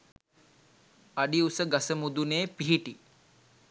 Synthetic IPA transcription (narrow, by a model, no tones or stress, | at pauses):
aɖiusəɡasəmud̪uneːpiɦiʈi